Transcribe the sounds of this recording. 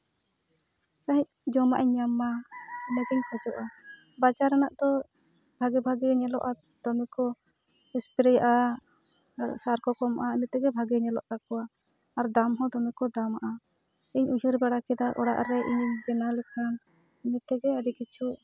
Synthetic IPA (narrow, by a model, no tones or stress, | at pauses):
saɦic̚d͡ʒɔmaʔɛɲːamanɛɡɛɲpʰad͡ʒɔʔa | bat͡ʃaɾanaʔd̪ɔ | bʱaɡɛbʱaɡɛɲɛlɔ̰ʔa | d̪̥ɔmikɔ | ispiɾɛjaʔa | saɾkɔkɔmaʔainɛt̪ɛɡɛbʱaɡɛɲɛlɔʔkakɔwaː | ɾd̪amɦɔ̃d̪ɔmikɔd̪amaʔa | iɲuɦiɾbɛɽakɛd̪aʔɔɽa̰ʔɾɛʔiɲbɛnalɛkʰan | init̪ɛɡɛaɖikit͡ʃʰuʔ